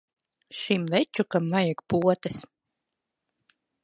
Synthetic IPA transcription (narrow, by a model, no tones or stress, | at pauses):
ʃimvɛt͡ʃukamvajakpuɔt̪as